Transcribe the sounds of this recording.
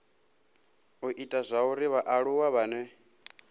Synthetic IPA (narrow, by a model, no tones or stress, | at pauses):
uʔitʼazʷauɾiβaʔaɺuwaβaːnɛ